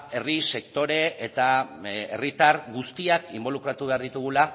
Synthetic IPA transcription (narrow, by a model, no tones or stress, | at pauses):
e̞rise̞kt̪o̞ɾe̞et̪ae̞̰rit̪aɾɣust̪iakḭmbo̞lukɾat̪uβe̞aɾð̞it̪uɣ̞ula